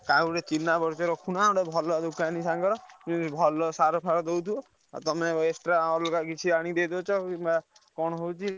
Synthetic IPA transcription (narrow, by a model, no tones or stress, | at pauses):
kauɾet͡ʃinːabɔɾt͡ʃɔɾɔkʰunaɔɽebʱɔlɔd̪ukʰanisaŋɡɔɾɔubʱɔlɔsaɾɔpʰaɾɔd̪ewt̪ʰiɔ | a̰t̪ɔmeesʈɾaɔlɔkakit͡ʃʰiaɽ̃id̪ed̪ɔwt͡ʃʰɔkimaakɔɽ̃ɔɦowt͡ʃʰi